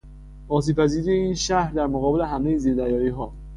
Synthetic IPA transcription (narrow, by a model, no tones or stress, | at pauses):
ɒːs̬iːpʰæziːɾiːjeiːnʃæhɾd̪æɾmoɣɒːbe̞leɦæmejeziːɾd̪æɾjɒːɾiːɦɒː